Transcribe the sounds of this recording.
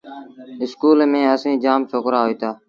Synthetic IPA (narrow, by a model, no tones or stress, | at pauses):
ɪskuːlmẽːəsĩːd͡ʒaːmsʰoːkɾaːɦoiːt̪aː